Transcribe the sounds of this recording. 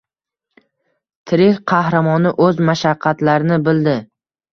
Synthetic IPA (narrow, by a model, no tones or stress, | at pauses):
t̪ʰɪɾɪqʰɑhɾamɒnɪʔɵzmaʃaqʰːɑt̪laɾɪnɪbɪld̪ɪ